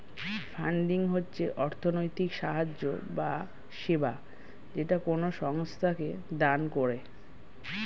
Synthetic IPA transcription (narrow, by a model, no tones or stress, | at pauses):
fʰaɳɖiŋɦotːɕʰeʔɔɾt̪ʰonojt̪ikʃaɦad͡ʑo̰ba | ʃeba | d͡ʑeʈakonoʃɔŋst̪ʰaked̪ankoɾe